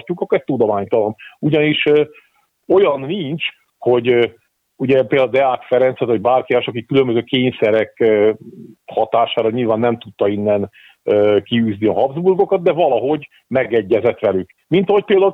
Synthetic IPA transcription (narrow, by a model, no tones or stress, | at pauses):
rcukɒkːoɛst̪ud̪omaːɲt̪ɒlɒnuɟɒniʃ | o̞jɒnːint͡ʃ | ho̞ɟ | uɟɛpeld̪aud̪ɛaːkfɛɾɛnsɛt̪vɔɟ̚baːrkiɛʃɒkikːylømbøzøːkeːɲsɛɾɛkː | hɒt̪aːʃaːɾɒɲilvaːnːɛmt̪ut̪ːɒinːɛn | øːkiyːzniɒɦɒbzburɡo̞kɒt̪̚d̪ɛvɒlɒɦo̞ɟ | mɛɡɛɟːɛzɛt̪ʋɛlyk | mint̪ɒho̞c̚peːld̪au